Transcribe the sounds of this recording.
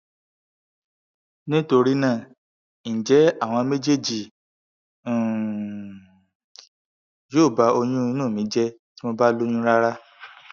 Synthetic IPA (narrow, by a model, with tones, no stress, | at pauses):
nĩ˦to˧ɾi˦nãː˦˨ | ñ̩˨d͡ʒɛ˨˦a˦˨w̃ɔ̃˧me˦d͡ʒe˦˨d͡ʒi˨ | joː˦˨ba˧o˧j̃ũ˦˧nũː˦˨mĩ˨˦d͡ʒɛ˦ | ti˦mo˧ba˦lo˦jũ˦ɾa˦ɾa˦